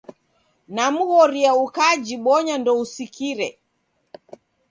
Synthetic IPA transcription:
namuɣɔɾiaukad͡ʒiɓɔɲandɔusikiɾɛ

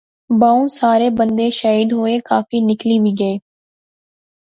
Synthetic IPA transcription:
baːũsaːɾeːbə̃nd̪eːʃaːiːd̪ɦoːekaːfiːnɪkliːbʱiɡəeː

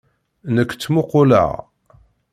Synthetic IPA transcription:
nəkːt͡sːmʊqʊlə̰ʁ

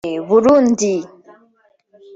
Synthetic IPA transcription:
βuɾund̪i

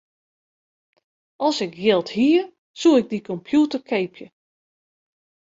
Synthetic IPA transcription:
ʔɔlˠsɪkjɪlˠthiːə | suɪɡ̚dikɔmpʰjutərkʰejpʰjə

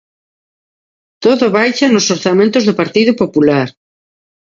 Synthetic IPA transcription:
t̪oðʊβajʃanʊsoɾθamẽnt̪ʊzðʊpaɾt̪iðʊpopulaɾ

